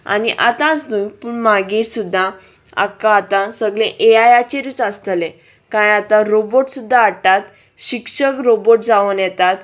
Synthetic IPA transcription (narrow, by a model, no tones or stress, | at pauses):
a̰niʔa̰t̪ãt͡sd̪ujkpuɳmaɡiɾsud̪ʱːa | a̰kːãːt̪ãsəɡlẽʔeajat͡ɕeɾut͡sast̪lẽ | kãjat̪ãɾoboʈsud̪ʱːaːʈat̪ | ɕikʂəkɾoboʈ̚d͡zaʋənjɛt̪at̪